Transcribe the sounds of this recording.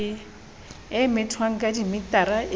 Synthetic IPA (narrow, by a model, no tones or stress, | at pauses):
ɪmɪtʰwaŋ̩kʼadimɪtaɾa